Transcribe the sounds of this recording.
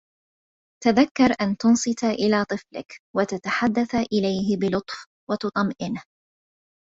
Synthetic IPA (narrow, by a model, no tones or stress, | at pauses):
t̪aðakːɑɾˤʔant̪ʊnsˤɨt̪aʔɪlaːt̪ˤɨflɪ̰kwat̪at̪aħad̪ːaθaʔɪlajhɪbɪlʊt̪ˤf | wɑt̪ʊt̪ˤɑmʔɪnh